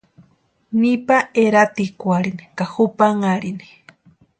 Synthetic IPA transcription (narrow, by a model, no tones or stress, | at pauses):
nipaeɾat̪ikʷaɾinikaxupaŋaɾini̥